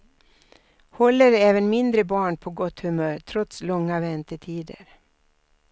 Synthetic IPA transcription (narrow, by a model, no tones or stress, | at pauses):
hɔlːəɾɛːvənmɪnd̪ɾəbɑːɳpʰɔɡɔt̪hɵmœːɾʈ̪ʰɾɔt̪slɔŋːavɛnt̪əʈʰiːd̪ə̰ɾ